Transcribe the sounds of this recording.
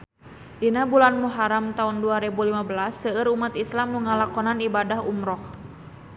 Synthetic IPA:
ʔinabulanmuɦaɾamt̪aunduaɾɛbulimabəlasːəəɾumat̪islamnuŋalakɔnanibadahumɾɔh

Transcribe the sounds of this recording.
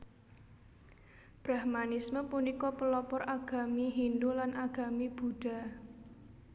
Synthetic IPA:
b̥ɾa̤hmanisməpunikɔpəlɔpɔrʔaɡ̥a̤miɦind̪ulanʔaɡ̥a̤mib̥uɖ̥a̤

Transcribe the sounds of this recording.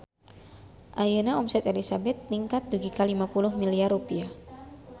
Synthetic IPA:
ʔajənaɔmsɛt̪elisabɛt̪̚niŋkat̪̚duɡikalimapuluhmiliarupia

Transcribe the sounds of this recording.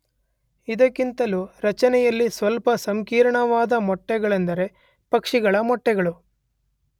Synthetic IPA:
id̪ɐkːint̪ɐluɾɐt͡ʃɐnɛjɐlːisʋɐlpɐsɐmkiːɾɐɳɐʋaːd̪ɐmɔʈːɛɡɐɭɐnd̪ɐɾe̞ | pɐkʂiɡɐɭɐmɔʈːɛɡɐɭu

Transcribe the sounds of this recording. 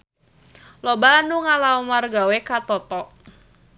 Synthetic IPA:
lɔbanuŋalaumarɡawekat̪ɔt̪ɔʔ

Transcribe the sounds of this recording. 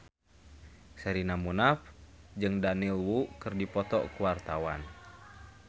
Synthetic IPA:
sɛɾinamunafd͡ʒɨŋdanilwukɨrdipɔt̪ɔ̰kuwart̪awan

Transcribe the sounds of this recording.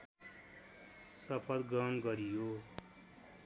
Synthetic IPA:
sʌpʰʌlɡʌmɡʌɾijoː

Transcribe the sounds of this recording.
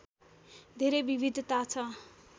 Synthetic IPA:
d̪ʱeɾebibʱid̪ʱt̪at͡sʰʌ

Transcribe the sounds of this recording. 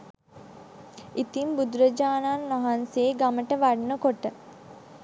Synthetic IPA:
it̪imbud̪uɾəd͡ʒaːnanʋaɦanseːɡaməʈəʋaɖnəkoʈə

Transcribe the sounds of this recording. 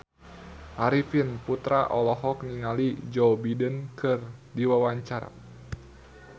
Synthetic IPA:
ʔaɾifinput̪ɾaʔɔlɔɦɔk̚niŋalid͡ʒɔwbidənkɨrdiwawaɲt͡ʃaɾa̰

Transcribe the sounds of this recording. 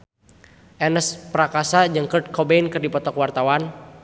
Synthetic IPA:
ʔɛnəspɾakasad͡ʒəŋkərt̪̚kʰɔbeinkɨrdipɔt̪ɔkwart̪awan

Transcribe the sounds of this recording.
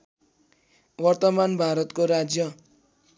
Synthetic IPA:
wʌrt̪ʌmanbʱaɾʌt̪koɾad͡zjʌ

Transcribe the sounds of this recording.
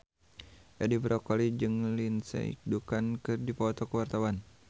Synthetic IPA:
jadibɾʔɔkɔlid͡ʒɨŋlinsɛ̰dukankɨrdipɔt̪ɔkəwart̪awan

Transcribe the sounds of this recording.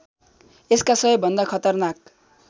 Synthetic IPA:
eskasʌʌbʱʌnd̪akʰʌt̪ʌrnak̚

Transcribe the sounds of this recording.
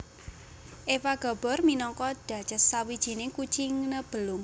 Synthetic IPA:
ʔewaɡ̥ɔ̤b̥ɔ̤rminɔŋkɔd̪̥ä̤̥d͡ʒ̥ə̤sawid̥ʒ̥i̤nɪkut͡ʃiŋnəb̥əlʊŋ

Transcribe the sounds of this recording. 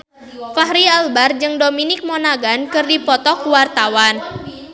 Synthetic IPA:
faɦɾialbard͡ʒɨŋdominɪk̚mɔnaɡankɨrdipɔt̪ɔkuwart̪awan

